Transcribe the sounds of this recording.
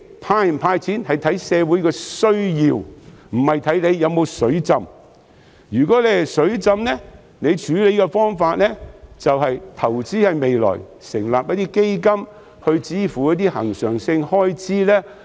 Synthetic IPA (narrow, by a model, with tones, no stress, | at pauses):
pʰaː˧jpʰaː˧jt͡sʰiː˨˥nhɐ˨jt̪ʰɐ˨˥jsɛː˨˧wuː˨˥jkɛː˧sɵ˥ɥjiː˧wm̩˨˩hɐ˨jt̪ʰɐ˨˥jle˨˧jːɐ˨˧wmo˨˧wsɵ˨˥ɥt͡sɐ˧m | jyː˨˩kɔː˨˥lɛ˨˩˨sɵ˨˥ɥt͡sɐ˧mlɛ˥ | ne˨˧jt͡ʃʰyː˨˥le˨˧jkɛ˧fɔː˥ŋfaː˧t̚lɛː˥t͡sɐ˨wɦɐ˨jt̪ʰɐ˨˩wt͡siː˥hɐ˨jme˨jlɔ̰ː˨˩j | sɪ˨˩ŋlaː˨p̚jɐ˥t̚t̪iː˥ke˥jkɐ˥m | hɵ˧ɥt͡siː˥fu˨˩jɐ˥t̪iː˥hɐ̰˨˩ŋsœː˨˩ŋsɪ˧ŋhɔː˥jt͡siː˥lɛː˥